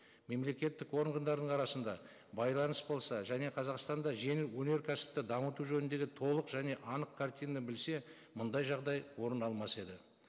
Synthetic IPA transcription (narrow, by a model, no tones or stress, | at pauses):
me̞mle̞kʲe̞t̪ːɪkwo̞ɾəɴʁənd̪ɑɾd̪əɴɑɾɑsənd̪ɑ | bɑjlˠɑnəsbo̞lˠsɑʒæne̞qʰɑzɑqst̪ɑnd̪ɑʒe̞ŋɪlwɵne̞ɾkʲʰæsɪ̥p̚t̪ɪd̪ɑmət̪uʒɵnɪnd̪e̞ɡʲɪt̪ʰo̞lˠəqʒæne̞ʔɑnəqkʰart̪ijnəbɪlse̞ | mʊnd̪ɑjʒɑʁd̪ɑjwo̞ɾənɑlˠmɑse̞d̪ɪ